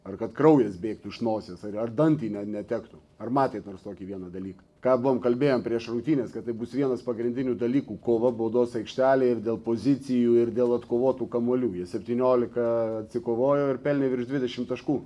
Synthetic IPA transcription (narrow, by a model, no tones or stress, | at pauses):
ɐrkɐt̪kɾɐʊjɛsbʲeːkt̪uɪʃnoːsʲesɐɐrd̪ɐnʲt̪ʲiːnʲɛnʲɛt̪ʲækt̪u | ɐrmɑːt̪ʲeːt̪noːrst̪oːkʲiːʋʲiɛnɐd̪ɐlʲiːkɐkɑːbʊʋoːmkɐlʲbʲeːjompʲɾʲiɛʃrʊkt̪ʲiːnʲeːskɐt̪ːɐɪbʊsʋʲiɛnɐspɐɡɾʲɪnʲd̪ʲɪnʲuːd̪ɐlʲiːkuːkoːʋɐboːd̪oːsɐɪkʃʲt̪ʲæːlʲeːɪrdʲeːlˠpoːzʲɪt͡s̪ʲɪjuːɪrd̪ʲeːlˠɐt̪koːʋoːt̪uːkɐmuɔlʲuːjiɛsʲɛpʲt̪ʲiːnʲoːlʲɪkɐɐt̪ʲsʲɪkoːʋoːjoːɪɾpʲɛlʲnʲɛʋɪɾʃd̪ʲʋʲɪd̪ʲɛʃʲɪmt̪ɐʃkuː